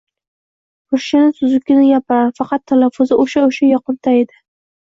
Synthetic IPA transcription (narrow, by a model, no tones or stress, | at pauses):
oʃʃanɪsʊzʊkʲːɪnɪjapafɑqɑt̪ʰːalafːʊzɪʔoʃaoʃajɒqɨnt̪ʰaed̪ɪ